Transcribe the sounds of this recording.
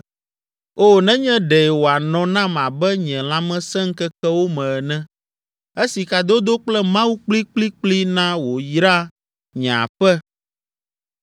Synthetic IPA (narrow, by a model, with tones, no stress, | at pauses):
o˦˨nɛ̃˦ɲɛ̃˦ɖɛ˨ɛ˨wo˨a˨nɔ̃˨nã˦mã˨bɛ˦ɲɛ̃˨l̃ã˦mɛ̃˦sɛ̃˦ŋ̩˦kɛ˦kɛ˦wo˦mɛ̃˨ɛ˨nɛ̃˦ | e˦si˨ka˨d̪o˦d̪o˦k͡plɛ˦mã˦wu˦k͡pli˦k͡pli˦k͡pli˦nã˦wo˨jɾa˦ | ɲã̰˨ɸɛ˦